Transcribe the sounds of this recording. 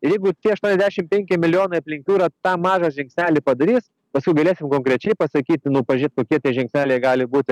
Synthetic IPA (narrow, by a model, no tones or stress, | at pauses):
ɪɾjɛɪɡʊt̪ʲiɛɐʃt̪uɔnʲɛzʲdʲæːʃʲɪmpʲɛŋʲkʲɪmʲɪlʲɪjoːnɐɪɐpʲlʲɪŋʲkʲuːɾɐt̪ɑːmɑːʒɐʒʲɛŋksʲnʲæːlʲɪpɐd̪ɐɾʲiːs | pɐskʊɪɡɐlʲeːsʲɪmkoːŋkɾʲɛt͡ʃʲɛɪpɐsɐkʲiːt̪ʲnʊpɐʒʲiːt̪koːkʲiɛt̪ʲiɛʒʲɛŋksʲnʲæːlʲɛjɡɑːlʲɪbuːt̪ʲɪ